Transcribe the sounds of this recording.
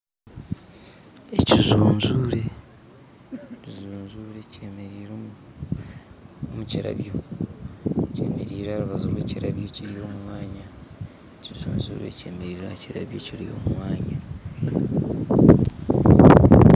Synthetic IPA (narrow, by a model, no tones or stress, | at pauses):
ecizuːɲzuːɾe̞ | izuːɲzuɾe̞ceeɾiɾ | omuciɾa̰βjo̞ | ce̞̰ːme̞ɾiːɾaaɾuβazoːβweciɾaβjo̞ciɾijo̞ːmuwaːɲa | ecizuːnzṵːɾe̞̰ce̞ːmeɾiːɾaciɾa̰βjociɾijo̰ːmuwaːɲa